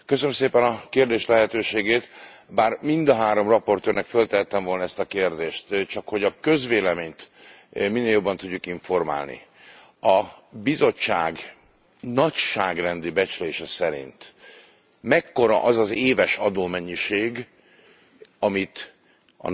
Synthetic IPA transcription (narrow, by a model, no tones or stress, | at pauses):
køsønmseːpɛnɒkeːrd̪eːʃlɛɦɛt̪øːʃeːɡeːt̪baːrmind̪ɒɦaːɾo̞mrɒpo̞rt̪øːrnɛkfølt̪ɛɦɛt̪ːɛɱvo̞lnɒɛst̪ɒkeːrd̪eːʃt̪t͡ʃɒkho̞ɟɒkø̞zʋeːlɛmeːɲt̪ | minːeːljo̞bːɒnt̪uɟːukiɱfo̞rma̰ːlnḭ | ɒbizo̞t͡ʃːaːɡ | nɒcʃaːɡrɛnd̪ibɛt͡ʃleːʃɛsɛɾḭnt̪ | mɛkːo̞ɾɒ̰ʔɒzɒzeːvɛʃɒd̪oːmɛɲːiʃeːɡ | ɒmit̪ | ɒ̰